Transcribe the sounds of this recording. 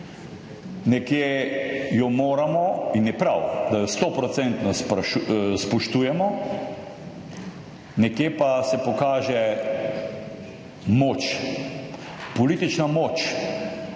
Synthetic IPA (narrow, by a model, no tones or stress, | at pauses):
nɛkjejɔmoːɾamɔinjɛpɾawd̪ajɔst̪opɾɔt̪sɛnt̪nɔspspɔʃt̪uːjɛmɔ | nɛkjeːpasɛpɔkaːʒɛ | moːt͡ʃ | pɔliːt̪it͡ʃnamoːt͡ʃ